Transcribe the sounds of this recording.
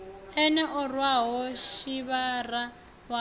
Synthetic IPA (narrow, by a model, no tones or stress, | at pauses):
ɛnɛʔɔrwaɦɔʃiβara | wa